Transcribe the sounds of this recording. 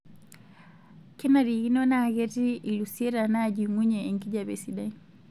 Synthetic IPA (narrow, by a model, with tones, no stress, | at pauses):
kɛ˦naɾiɣi˦nɔ˦na˨ɣɛti˦i˨lusiɛ˦ɾa˨na˦d͡ʒimwi˦ɲɛːŋki˦d͡ʒaβɛ˨siɗai